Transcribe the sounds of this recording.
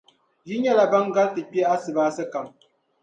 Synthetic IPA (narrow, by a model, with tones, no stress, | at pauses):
ji˦ɲa˦la˨ba˦ŋɡa˦tɨ˨k͡pi˦e˦a˦sɨ˨baː˦sɨ˦ka˨m